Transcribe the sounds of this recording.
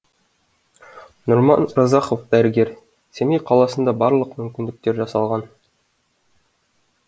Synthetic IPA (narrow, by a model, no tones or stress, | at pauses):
nuɾmɑ̰nrɑzɑqŏfd̪æɾɘ̆ɡeɾ | sæmijqɒlˠɑsɤ̆nd̪ɑbɑɾlˠɤqmɵ̆mkʲind̪ɘ̆k̚t̪eɾʑɑsɑlˠʁɑn